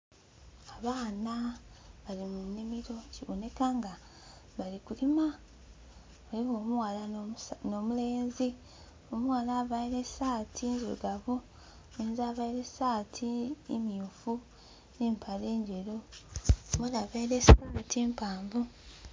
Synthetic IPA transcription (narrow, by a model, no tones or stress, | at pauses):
aβaːnaβalimunːimiɾo̞ciwo̰ne̞kaŋɡa | βalikulima | aliβo̞ːmuwalanomule̞ːnzi | omuwalaβaiɾesaːtʰinzo̰ɡaβu | neːnzaːβaiɾesaːtʰiːmijufu | neːmpʰaleːɲɟe̞ɾo̞ | mulaβaiɾesi̥kumutʰiːmpaːmbu